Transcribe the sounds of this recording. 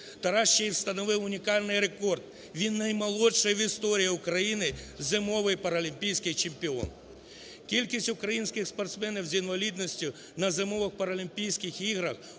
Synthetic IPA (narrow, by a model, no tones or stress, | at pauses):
t̪ɐɾɑʃːɛiwst̪ɐnɔʋɪwʊnʲikɑlʲnɪjɾekɔrd̪̚ | ʋʲinːɐjmɐlˠɔtʂɐjɐʋʲist̪ɔɾʲijɐʊkɾɐjinɪzɪmɔʋɪjpɐɾɐlʲimʲpʲijsʲkɪxt͡ʃempʲɪɔ̰n | kʲilʲkʲisʲtʲʊkɾɐjinsʲkʲɪxspɐrt̪smɛnʲiwzinʋɐlʲid̪nɔsʲtʲʊ | nɐzɪmɔʋɪxpɐɾɐlʲimʲpʲijsʲkʲɪxiɣɾɐx